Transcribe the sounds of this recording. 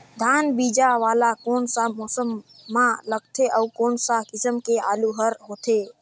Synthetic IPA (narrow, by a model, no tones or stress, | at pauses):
d̪ʱaːnbiːd͡ʒaʋaːlakoːnsamɔːsəmː | ãləɡ̚t̪ʰeʔəukoːnsakɪsəmkeaːluɦəɾɦoːt̪ʰe